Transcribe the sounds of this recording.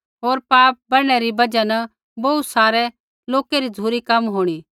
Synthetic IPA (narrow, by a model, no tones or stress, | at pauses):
ɦoːɾpaːp̚bɐɽɽ̃ɛɾibɐd͡ʒanɐ | bɐut̪saːɾɛ | loːkeɾid͡zʱuːɾikɐmːɦoːɽ̃i